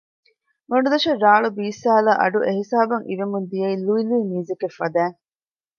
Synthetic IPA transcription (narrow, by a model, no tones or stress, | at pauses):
mɐɳɖud̪ɐʃeɾaːɭubiːsaːlaːʔɐ̰ɖuʔeɦisaːbɐŋʔḭʋemund̪ijɐiluiluːmiːzekefːɐd̪æːŋ